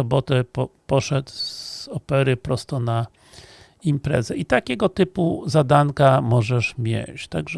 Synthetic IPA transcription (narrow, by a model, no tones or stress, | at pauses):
ɔbɔt̪ɛpɔpɔʂɛt̪zz̥ɔpɛɾɘpɾɔst̪ɔna | impɾɛ̰zɛit̪akʲɛɡɔt̪ɘpuzad̪ankamɔʐɛʂmʲjɛ̰t͡ɕt̪aɡʐ